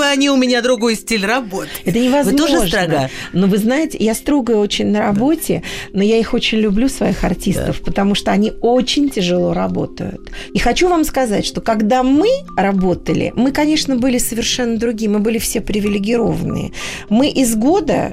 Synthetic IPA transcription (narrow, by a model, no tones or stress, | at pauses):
ɨɐnʲiʊmʲɪnʲad̪ɾʊɡojsʲtʲilʲrɐbot̪ɛt̪ənʲɪvɐzmoʐoʐnənovɨznajɪtʲɪjast̪ɾo̞ɡəjʊo̞t͡ɕɪnʲnəɾɐbo̞tʲɪ̰nojaixo̞t͡ɕɪnʲlʲʊblʲusvɐixɐrtʲist̪əfpət̪ɐmuʂt̪oɐnʲio̞t͡ɕɪnʲtʲɪʐɨlˠo̞ɾɐbo̞̰t̪ə̰jʊ̰t̪ixɐt͡ɕuvamskɐza̰tʲʂt̪o̞kɐɡd̪amɨrɐbo̞t̪əlʲɪ̰mɨkɐnʲe̞ʂnəbɨlʲɪsəvʲɪrʂɛnːəd̪ɾʊɡʲijəmɨbɨlʲɪfsʲepɾʲɪvʲɪlʲɪɡʲɪɾo̞̰vənɨ̰ə̰ | mɨʔɪzɡo̞d̪ə̰